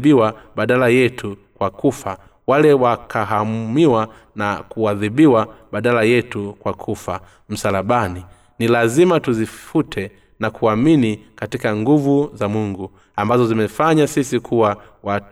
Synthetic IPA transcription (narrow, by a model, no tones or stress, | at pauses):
biwaɓaɗalajɛtʰukwakufa | walɛwakʰaɦammiwa | nakuaðiɓiwaɓaɗalajɛtukwakʰufa | m̩salaɓani | nilazimatuzifutʰɛ | nakuaminikatikaŋɡuvuzamuŋɡu | ambazɔzimɛfaɲasisikʰuwa | wa